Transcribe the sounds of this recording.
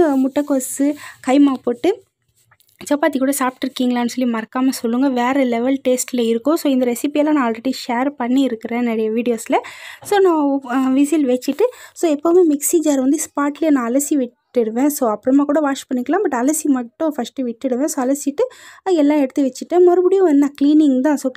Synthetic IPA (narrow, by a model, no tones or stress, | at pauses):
mʊʈːɐkːoːsɯkɐɪmaːpoːʈːɯ | t͡ʃɐpːaːt̪ikuːɽɐsaːp̚ʈɪɾɯkːiːŋɡɐɭaːnːɯsɔlːimɐɾkːaːmɐsɔlːɯŋɡɐʋeːɾɛlɛʋɛlʈeːsʈɪlɐɪɾɯkːʊ̃soːɪnd̪ɐɾɛsɪpijɛlãːnãːlrɾɛɽiʃeːɾpɐɳːiɪɾɯkːɯɾẽːnɐɽɐjɐʋiːɽɪjoːsɪlɐsoːnãːʋɪsilʋɛt͡ʃːɪʈːɯsoːɛpːoːɐmeːmɪksid͡ʒaɾʋɐnd̪ɯspaːʈlɪjɐnãːɐlɐsiʋɪʈːɪɽɯʋẽːsoːɐpːɯɾɯmaːkuːɽɐʋaːʂpɐɳːɪkːɐlãːbɐʈːɐlɐsimɐʈːʊ̃fɐsʈɯʋɪʈːɪɽɯʋẽːsoːɐlɐsɪʈːɯɛlːãːɛɽɯt̪ːɯʋɛt͡ʃːɪʈːẽmɔɾɯbɪɽɪjʊ̃ɛnːaːkliːnɪŋɡt̪ãːsoː